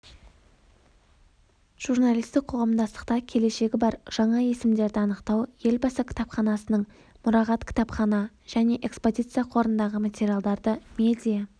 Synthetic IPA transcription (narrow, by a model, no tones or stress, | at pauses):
ʒ̥urnalijst̪ɪk̚qʰoʁɑmd̪ɑst̪ə̥qt̪ɑkʲʰe̞le̞ʃe̞ɡʲɪbɑɾʒ̥ɑɴɑje̞sɪmd̪e̞ɾd̪ɪɑnəqt̪ɑwje̞lbɑsəkʲʰɪ̥t̪ɑpχɑnɑsənəɴ | mʊɾɑʁɑt̪kʲʰɪ̥t̪ɑpχɑnɑ | ʒ̥æne̞ʔe̞kspo̞zʲit̪sɨjaqʰo̞ɾənd̪ɑʁəmat̪ʲe̞ɾʲijalˠd̪ɑɾd̪əmʲe̞d̪ʲija